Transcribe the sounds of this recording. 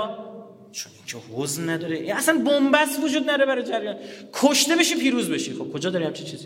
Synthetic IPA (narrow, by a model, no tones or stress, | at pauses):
t͡ʃʰonʔiŋcʰehoznnæd̪ɒːɾeʔinæsænbombæst̪vod͡ʒuːd̪nædɾebæɾɒːjed͡ʒæɾjɒːnkʰoʃt̪e̞be̞ʃipʰiːɾuːzbe̞ʃixo̞b̥̚kʰo̞d͡ʒɒːd̪ɒɾihæmt͡ʃʰint͡ʃʰiːzi